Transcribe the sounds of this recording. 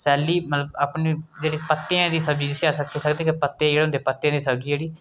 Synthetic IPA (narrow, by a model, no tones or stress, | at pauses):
sɛːliːmət̪ləbaːpniːd͡ʒeːɽiːpət̪ːeãd̪iːsəbd͡ʒiːd͡ʒ̪ɪsiaːsəkʰːiːsəkd̪eːkɪpət̪ːeãd͡ʒeːɽeːʊ̃nd̪eːpət̪ːejãːd̪iːsəbd͡ʒiːd͡ʒeːɽiː